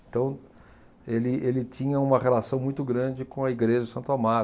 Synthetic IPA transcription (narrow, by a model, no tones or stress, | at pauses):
t̪ɐ̃w̃ | elɪʔelɪt͡ʃĩɲɐũmɐʁelasɐ̃w̃mũj̃t̪ʊɡɾɐ̃d͡ʒɪkõɐiɡɾeʒɐʊsɐ̃nt̪ama